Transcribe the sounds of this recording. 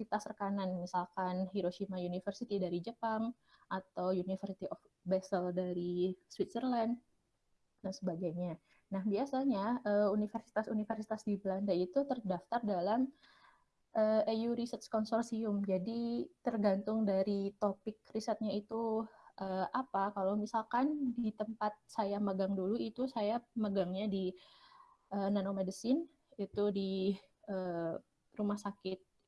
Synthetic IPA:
sit̪asrəkananmisalkanhiɾoʃimaunifərsit̪idaɾid͡ʒəpaŋ | ʔat̪awjunifərsit̪iʔɔf | bɛsəldaɾiswit̪̚sərland | dansəbaɡaɲa | nahbiasaɲaʔəunifərsi̥t̪asunifərsit̪asdibəlandait̪ut̪ərdaft̪ardalam | ʔəːejuɾisət̪̚skɔnsɔrsiʊmd͡ʒadit̪ərɡant̪ʊŋdaɾit̪opɪk̚risət̪̚ɲait̪uʔəːʔapakalawmisalkandit̪əmpat̪̚sajaməɡaŋduluit̪usajaməɡaŋɲadi | ʔənanomedəsɪn | it̪udi | ə | rumahsakɪt̪̚

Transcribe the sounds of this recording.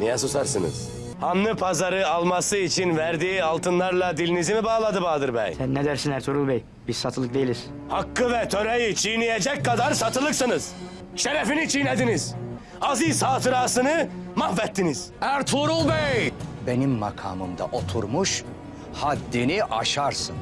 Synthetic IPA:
nijasusaɾsɯnɯ̰z̥ | hanːɯpʰazaɾɯalˠmasɯit͡ʃʰinvæɾd̪iːalˠt̪ʰɯnlˠaɾlˠad̪ilʲinizimibaːlˠad̪ɯbaːd̪ɯɾbɛ̰jsænːed̪æɾsinæɾt̪ʰuɾulˠbɛj | biz̥sat̪ʰɯlˠɯk̚d̪eilʲiz̥ | hakːɯvɛt̪ʰø̞ɾejit͡ʃʰijnijed͡ʒɛc̚kːad̪aɾsat̪ʰɯlˠɯksɯnɯz̥ | ʃe̞ɾefinit͡ʃʰijned̪iniz̥ | aziz̥haːt̪ɯɾaːsɯnɯmahvɛt̪ʰːiniz̥æɾt̪ʰuɾulˠbɛjbe̞nimːakʰa̰ːmɯ̰md̪a̰ʔo̞t̪ʰuɾmuʃ | had̪ːiniʔaʃaɾsɯn

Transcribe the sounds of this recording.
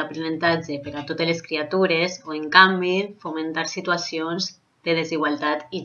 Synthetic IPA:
apɾenent̪ad͡ʒepeɾat̪ot̪eleskɾiat̪uɾezoeŋkambifumẽnt̪aɾsit̪uasionz | d̪əð̞eziɣwalˠt̪at̪i

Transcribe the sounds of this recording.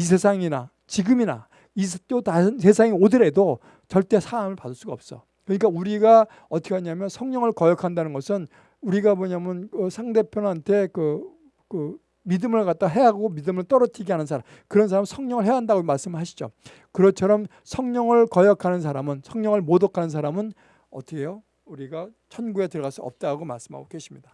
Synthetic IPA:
is̬ʰe̞sʰaŋina̰ | t͡ɕiɡɯmina̰ | ist͈otansʰe̞s̬ʰaŋiodɯɾe̞do | t͡ɕʌɭt͈e̞sʰaɾamɯɭpadɯɭs͈uɡaʌp̚s͈ʌ̰ | kɯɲik͈auɾiɡa | ʌt͈ʰʌ̥kʰeaɲamjʌnsʰʌŋɲʌŋɯɭkʌjʌkʰandanɯnɡʌsʰɯn | uɾiɡamoɲamjʌnkɯsʰaŋde̞pʰjonantʰe̞kɯ | kɯ | midɯmɯɭkat͈̚aɦe̞ɦaɡomidɯmɯɭt͈ʌɾʌtʰiɡiɦanɯnsʰaɾam | kɯɾʌnsʰaɾamnsʰʌŋɲʌŋɯɭɦeaɦandaɡomaɭs͈ɯmɯɭhaɕʰi̥d͡ʑo̰ | kɯɾʌt͡ɕʰʌɾʌm | sʰʌŋɲʌŋɯɭkʌjʌkʰanɯns̬ʰaɾamɯnsʰʌŋɲʌŋɯɭmodʌkʰanɯns̬ʰaɾamɯn | ʌ̰t͈ʰʌkʰe̞jo | uɾiɡa | t͡ɕʰʌnɡuetɯɭɡas͈uʌ̰p̚t͈aɡoma̰ɭs͈ɯmɦa̰ɡokeɕʰimɲida

